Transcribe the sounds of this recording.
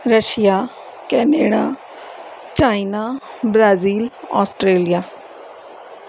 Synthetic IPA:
ɾəʃijaː | kɛːneːɽaː | t͡ʃaːinaːbɾaːziːlɔːsʈɾeːlijaː

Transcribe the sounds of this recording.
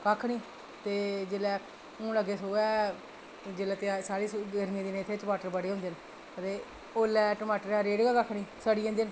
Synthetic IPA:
kakʰːniː | t̪eːd͡ʒeːlɛː | ũːləɡeːsoːɛː | d͡ʒeːlɛːt̪esaːɾiːəɾmjãd̪inẽːt̪ʰːeːt͡ʃəmaːʈəɾbəɽeːɦʊ̃nd̪eːn | t̪eː | oːlɛːʈəmaːʈəɾɛːɾeːɖɡaːkakʰniːsəɽiːãːd̪ɪn

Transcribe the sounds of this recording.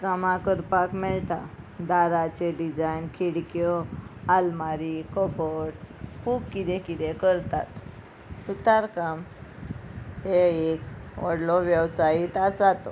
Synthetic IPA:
kamãkəɾpakmɛɭt̪a | d̪aɾat͡ɕeɖid͡ʑajnkʰiɽkjɔalmaɾikɔbɔʈkʰuːbkid̪ẽkid̪ɛkəɾt̪a̰t̪ | sut̪aɾkam | heekʋəɽlɔʋjəwsajit̪asat̪ɔ

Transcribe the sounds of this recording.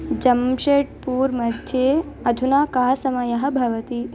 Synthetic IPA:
d͡ʒɐmʃeːʈ̚puːɾmɐd̪ʱjeː | ɐd̪ʱunaːkaːɐsɐmɐjɐɦɐ̆bʱɐʋɐt̪i

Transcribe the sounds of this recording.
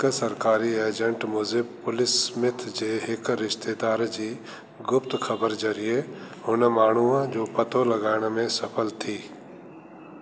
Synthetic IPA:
ksɐɾkaːɾieːd͡ʒə̃ɳʈmʊzɪbpʊlɪsmɪt̪ʰd͡ʒeːɦɪkɾɪʃt̪eːd̪aːɾd͡ʒiː | ɡʊpt̪kʰəbəɾzɐɾije | ɦʊnmaːɳ̤̃uãd͡ʒoːpɐt̪olɐɡaːɪɽ̃mẽsɐpʰəlt̪ʰiː

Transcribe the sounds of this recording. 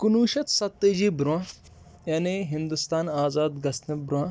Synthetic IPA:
kunuːɕɐt̪sɐt̪ːed͡ʑibɾuã | jaːneɦind̪ust̪aːnaːzaːd̪ɡɐsnɐbɾuã

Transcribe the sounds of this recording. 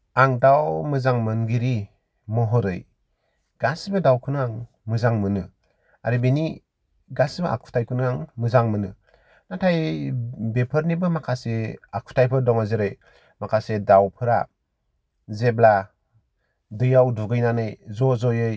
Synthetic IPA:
aŋdawmɯzaŋmɯnɡiɾi | mɔɦɔɾɯ̰j | ɡ̥asbɯdawkʰɯnɯaŋ | mɯzaŋmɯnɯ | aɾibeni | ɡasbɯʔa̰kʰu̥tʰajkʰɯnɯaŋmɯzaŋmɯnɯ | natʰaj | bepʰɯɾnibɯmakʰaseakʰu̥tʰajpʰɯɾdɔŋazɯɾɯj | makʰasedawpʰɯɾa | zebla | dɯjawduɡɯjnanɯjzɔzɔjɯj

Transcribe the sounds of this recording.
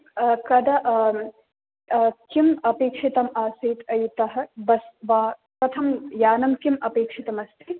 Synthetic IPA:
kɐd̪ɐʔ | kimɐpeːkʂit̪ɐmaːseːt̪ɐjt̪ɐɦɐbɐsʋaː | kɐt̪ʰɐmjaːnɐmkimɐpeːkʂit̪ɐmɐst̪ʰi

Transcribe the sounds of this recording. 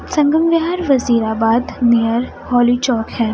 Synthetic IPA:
sɐ̃ŋɡəmʋaɦaːɾʋɐziːɾaːbaːd̪nejəɾ | hɔːlit͡ʃɔːkhɛː

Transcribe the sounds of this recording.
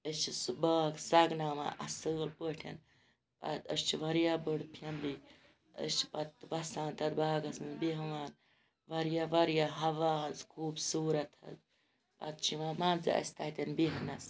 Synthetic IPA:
əst͡ʃʰisbaːksɐɡnaːma̰ːʔɐsəːlpəʈʰɐ̰n | pɐ̰t̪əst͡ʃʰiʋɐɾjaːbəɽpʰɐmli | ə̰st͡ʃʰi̥pɐt̪ʋɐsãːnt̪ɐd̪baːɡɐsɨnbiɦɐʋaːn | ʋɐɾjaʋɐɾjaɦɐʋaːɦɐzkʰuːbsuːɾɐt̪hɐ̰z | pɐ̰t̪̚t͡ʃʰimaːmaːnza̰ɐ̰st̪aːit̪ʲɐnbiɦɐnɐs

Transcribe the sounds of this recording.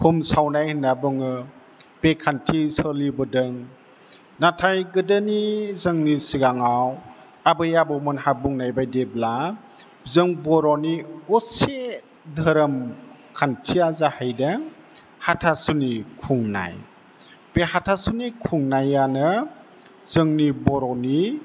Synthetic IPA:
humsawnajhɯnabɯŋɯ | b̥ekʰantʰisəlibɯdɯŋ | natʰajɡɯdɯnizɯŋnisiɡaŋaw | abɯjabɯmɯnhabuŋnajbajdebla | zɯŋbɔɾɔniɡɔse | dʱəɾɯm | kʰantʰiazahəjda | hatʰasunikʰuŋna̰j | b̥ehatʰasunikʰuŋnajanɯ | zɯŋnibɔɾɔni

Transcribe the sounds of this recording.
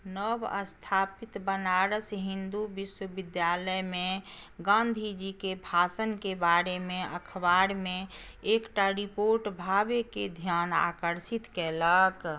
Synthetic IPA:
nəbə̰st̪ʰaːpit̪bənaɾəsɦĩnd̪ubiswəbɪd̪jaləjmẽ | ɡãːnd̪ʱid͡ʒikebʱaːsənkebaɾemẽə̰kʰbaɾmẽekʈaɾipoɾʈbʱaːbeked̪ʱjaːna̰ːkəɾsit̪keːlək

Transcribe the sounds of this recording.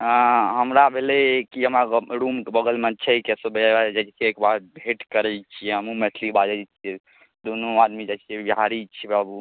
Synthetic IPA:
ɦəmɾabʱelekiəmaɾumbəɡəlmət͡ʃʰɛikesobʱeaad͡ʒat͡ʃt͡ʃʰiekbaɾbʱeʈkəɾɛt͡ʃʰijɛɦəmumɛt̪ʰlibad͡ʒɛt͡ʃʰiɛ | d̪onoad̪mid͡ʒat͡ʃʰiɛbiɦaɾit͡ʃʰibabu

